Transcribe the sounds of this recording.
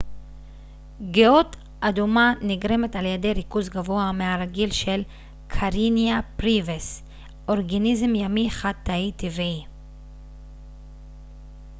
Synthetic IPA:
ɡeot | ʔadumaniɡɾe̞me̞taljede̞jɾikuzɡavo̞ameaɾaɡilʃe̞l | kʰaɾinjapɾives | o̞ʁɡanizemjamiχat̪ːaitivii

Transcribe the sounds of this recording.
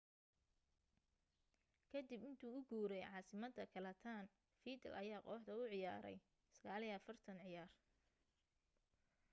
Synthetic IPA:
kʰɐd̪ibɪnt̪ʰuːʊɡuːɾɛjʕɑːsɪmɐd̪ɐkʰɐlɛt̪ʰaːn | fiːd̪ɐ̰lʔɐjaːqɔːħd̪ɐʊʕɪjaːɾɛ̰j | sɐɣaːliɐfɐrt̪ʰɐnʕɪjaːr

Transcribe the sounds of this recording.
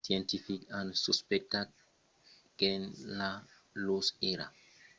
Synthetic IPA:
siɛntifikansuspɛk̚tat̚ | ɡ̥ɛnla | losɛɾa̰

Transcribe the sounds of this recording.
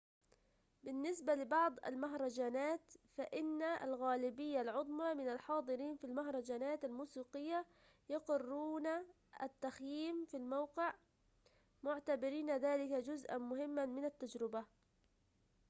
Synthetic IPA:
bɪnːɪsbalɪbɑʕd̪ˤa̰lmaɦɾˤɑd͡ʒaːnaːt̪faʔɪnːaalɣaːlɪbɪjːalʕʊd̪ˤmɑmɪnalħɑːd̪ˤɨɾiːnfilmaɦɾˤɑd͡ʒaːnaːt̪almuːsiːqɪjːa | jɑqɪrːuːna | ʔat̪ːaxjiːmfilmawqɪʕ | mʊʕt̪abɪɾiːnaðaːlɪkad͡ʒʊzʔanmʊhɪmːanmɪnat̪ːad͡ʒɾɪba

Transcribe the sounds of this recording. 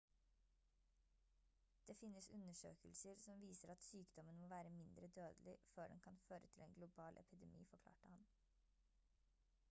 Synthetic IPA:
d̪̥eːfɪnəsʉnəʃø̰ːkəlsəɾsɔmʋiːsəɾɑt̪syːkd̪ɔmənmoːʋæːɾəmɪnd̪ɾəd̪øːd̪lɪføːɖɛ̰nkʰɑnføːɾət̪ʰɪleːŋɡlʊbɑːlʔɛ̰pɪd̪ɛmḭːfɔkʰlɑ̰ːʈəhɑn

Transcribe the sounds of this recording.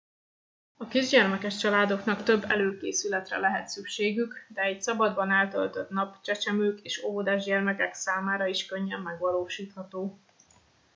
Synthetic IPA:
ɒkiʒɟɛrmɛkɛʃt͡ʃɒlaːd̪o̞knɒkt̪ø̞bːɛløːkḛːsylɛt̪rɛ̰lɛɦɛt̪sykʃeːɡykd̪ɛːcsɒbɒd̪bɒnɛlt̪ø̰lt̪øt̪nɒpt͡ʃɛt͡ʃɛmøːkeːʃoɦod̪aːʒɟɛrmɛkɛksaːmaːɾɒiʃkøɲːɛmːɛɡʋɒloːʃiːt̪hɒt̪oː

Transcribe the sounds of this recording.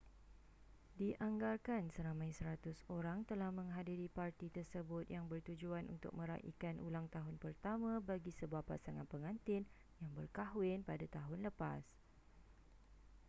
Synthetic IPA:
diʔaŋɡarkansəɾamãjsəɾat̪ʊsoɾaŋt̪əlahmə̃ŋɦadiɾipart̪it̪ərsəbʊt̪̚jaŋbərt̪ud͡ʒuanʔṵnt̪ʊ̰k̚mə̃ɾa̰ʔḭkanʔṵlaŋt̪aɦʊnpərt̪amãbaɡisəbuahpa̰saŋanpəŋãnt̪ɪn | jaŋbərkaɦwɪnpadat̪aɦʊnləpa̰s

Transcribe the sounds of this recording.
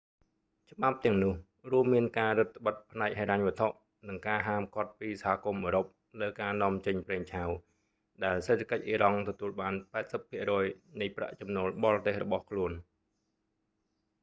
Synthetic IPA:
t͡ɕə̆ɓap̚t̪ɛ̆əŋnʊ̆əh | ruəmːiənkaːɾɨt̪ʰːə̆ɓət̪̚pʰnaɛk̚heːɾaɲʋɨ̆ət̪ʰoʔ | nɨŋkaːɦaːmkŏət̪̚piːsahaːkumʔəːɾop̚ | ləːkaːnŏəmt͡ɕəɲpreːŋt͡ɕʰaw | ɗaɛlseːt̪ʰakəc̚ʔiːɾɑŋt̪ɔt̪uəlɓaːnpaɛt̪̚səpʰːiəʔrɔːjnɨjpra̰ʔt͡ɕɑmnoːlɓɑlt̪eːhrɔɓɑhkʰluən

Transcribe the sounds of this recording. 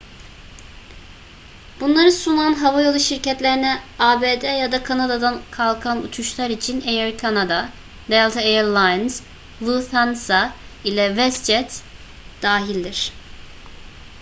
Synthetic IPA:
b̥unlˠaɾɯsunanɦavajolˠuʃiɾcɛt̪lʲeɾinɛaːbed̪ɛjad̪akʰanad̪ad̪ankʰalˠkʰanṵt̪ʰuʃlˠaɾit͡ʃʰinejɛɾkʰanad̪a | d̪ɛlˠt̪ʰaejɛɾlˠajnz | vilθansailʲɛvɛsd͡ʒɛt̪ | d̪̥aːɦilʲd̪iɾ̥

